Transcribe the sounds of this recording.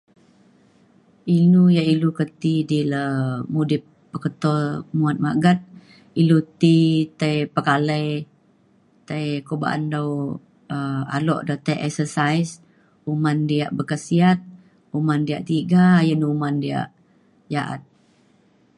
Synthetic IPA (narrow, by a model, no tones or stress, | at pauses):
inujaʔilukət̪idiləmudɪp̚ːəkət̪ɔmuat̪̚maɡat̪̚ | ilut̪it̪əjpəkaləj | t̪əjkoba̰ʔa̰ndaw | əa̰lɔ̰ʔdɔt̪əjʔɛksəsajs | umandiaʔbəkəsiat̪̚ | umandiaʔt̪iɡajənuumandia̰ʔ | jaʔa̰t̪̚